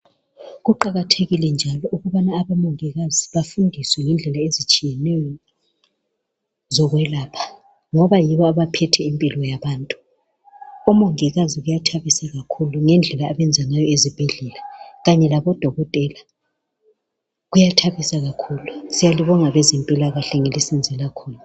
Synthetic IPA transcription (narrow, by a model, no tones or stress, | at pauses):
ɣuǃaɣatʰeɣilɛnd͡ʒʱalɔʔuɣuβanaːβamoŋiɣaziβafundʱiswɛŋɛnd͡ɮʱɛlaezit͡ʃʼijɛnɛjɔ | zɔɣwɛlaːpʰḁ | ŋɔβajiβɔaβapʰɛtʰɛimpʼilɔjaβaːntʼu | ɔmoŋiɣaziɣujatʰaβisaɣakʰuluŋɛnd͡ɮʱɛlaːβɛnd͡zʱaŋajɔezib̥ʱiɮɛlaɣaɲɛlaβɔd̥ʱɔɣɔtʼɛla | ɣujatʰaβisaɣakʰuːlusijaliβɔŋaβɛzɛmpʼilaɣaɬɛŋelisind͡zʱɛlakʰuːlu